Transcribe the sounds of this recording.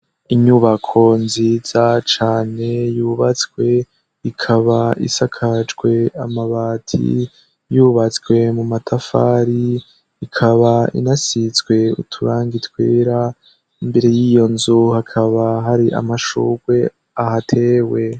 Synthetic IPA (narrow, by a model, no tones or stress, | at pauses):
iɲuβakʰo̞nziz̥at͡ʃaːne̞juːβat͡skwe̞ | ikʰaβaḭsakʰad͡ʒɡwe̞amaβaːtʰḭ | juβat͡skwe̞mumatʰafa̰ːɾi | ikʰaβaḭnasit͡sɡwe̞ṵtʰuɾaːŋɡitweːɾa | imbe̞ɾe̞jiːjo̞nzuhakʰaβaɦaɾiʔa̰maʃṵɡwe̞ | aɦatʰe̞ːwe̞